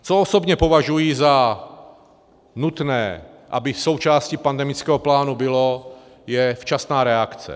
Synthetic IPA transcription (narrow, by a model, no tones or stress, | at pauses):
t͡soɔsobɲɛpovaʒujiːza | nut̪nɛːʔabɪsowt͡ʃaːscipand̪ɛmit͡skɛːɦɔplaːnubɪlo | jɛft͡ʃasnaːɾɛakt͡sɛ̰